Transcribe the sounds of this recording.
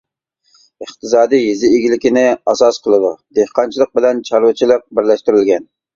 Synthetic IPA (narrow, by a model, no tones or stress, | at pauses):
əχt̪ɨzɑːd̪ɨjjizɪːɡʲilɪkʲinɪɑsɑsqʰəlˠɨd̪ud̪ehqɑnt͡ʃʰilˠəq̚bɪlɛnt͡ʃʰɑɾwɨt͡ʃʰilˠəq̚bɪɾlɛʃt̪yɾɪlɡʲɛn